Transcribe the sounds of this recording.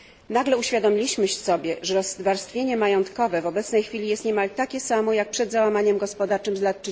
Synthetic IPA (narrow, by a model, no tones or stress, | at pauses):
naɡlɛuɕfʲjad̪ɔmʲilʲiɕmɘɕɛsɔbʲjɛʐɛɾɔzːd̪vaɾst̪fʲjeɲɛmajɔnt̪kɔvɛvɔbɛt̪snɛjxfʲilʲijɛst̪ɲɛmalt̪akʲɛsamɔjak̚pʂɛd̪zawamaɲɛmɡɔspɔd̪aɾt͡ʂɘmzlat̪̚t͡ʂɘ